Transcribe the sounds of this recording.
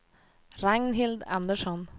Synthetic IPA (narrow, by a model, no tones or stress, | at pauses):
ɾæŋnɦɪld̪æ̰nd̪əʃɔn